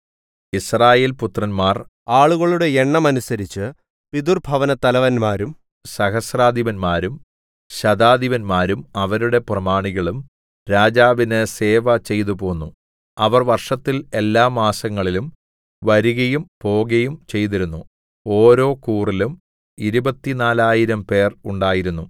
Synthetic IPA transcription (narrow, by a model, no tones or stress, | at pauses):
israːje̞ːlput̪rɐnmaːr | aːɭuɣɐɭuɽe̞eɳːɐmɐnusɐɾit͡ɕːɨ | pid̪urbʱɐʋɐnɐt̪ɐlɐʋɐnmaːɾum | sɐhɐsraːd̪ʱiʋɐnmaːɾum | ɕɐd̪aːd̪iʋɐnmaːɾumɐʋɐɾuɽe̞prɐmaːɳiɣɐɭum | ɾaːd͡ʑaːʋinɨse̞ːʋɐt͡ɕe̞jt̪upoːnːu | ɐʋɐrʋɐrʂɐt̪ːile̞lːaːmaːsɐŋːɐɭilum | ʋɐɾuɣɐjumpo̞ːɣɐjumt͡ɕe̞jt̪̬iɾunːu | o̞ːɾo̞ːkuːrilum | iɾubɐt̪ːinaːlaːjiɾɐmpe̞ːruɳɖaːjiɾunːu